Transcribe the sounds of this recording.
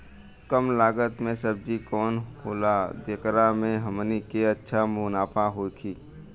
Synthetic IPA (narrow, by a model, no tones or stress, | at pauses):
kəmlaːɡət̪mẽsəb̚d͡ʒikɔːnhoːlad̪eːkɾamẽɦəmnikeətːʃʰamʊnaːpʰaɦoːkʰiː